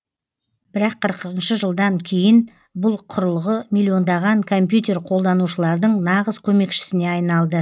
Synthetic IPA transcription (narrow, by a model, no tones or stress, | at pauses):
bɪɾɑqʰːəɾəqəənʃəʒəlˠd̪ɑŋkʲʰe̞jɪn | bʊlˠqʰʊɾəlˠʁəmilʲːio̞nd̪ɑʁɑŋkʰo̞mpjut̪e̞ɾqʰo̞lˠd̪ɑnuʃəlˠɑɾd̪əɴnɑʁəzkʲʰɵme̞kʃɪ̥sɪneɑjnɑlˠd̪ə